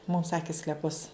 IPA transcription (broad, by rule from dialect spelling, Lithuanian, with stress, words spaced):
mʊm ˈsɑːkʲɪ sklʲɛˈpʊs